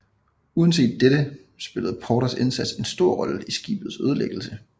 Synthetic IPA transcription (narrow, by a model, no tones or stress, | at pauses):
uðˠən̩se̝̰ːd̥̚ːeɾ̥ə | sb̥e̝ləð̞̩ˠpʰɒːɾɐse̝nsæd̥se̝nsd̥o̝ɐ̰ʁɒ̽ləisɡ̥ḭːb̥ð̞̩ˠsøðˠəleɡ̥l̩sə